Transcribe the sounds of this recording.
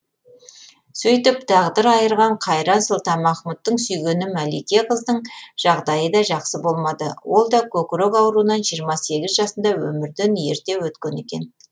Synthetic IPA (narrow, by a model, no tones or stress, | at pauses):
sɵjt̪ɪpt̪ʰɑʁd̪əɾɑjəɾʁɑɴqʰɑjɾɑnsʊlˠt̪ɑnmɑχmut̪ːəɴsʏjɡʲe̞nɪmælikʲeqəzd̪əɴʒ̥ɑʁd̪ɑjəd̪ɑʒɑqsəbo̞lˠmɑd̪əwo̞lˠd̪ɑkʲʰɵkʲɾokɑwɾunɑnʒijəɾmɑse̞ɡʲɪzʒɑsənd̪ɑwɵ̰mɪɾd̪enje̞ɾt̪e̞wɵt̪kʲe̞ne̞kʲe̞̰n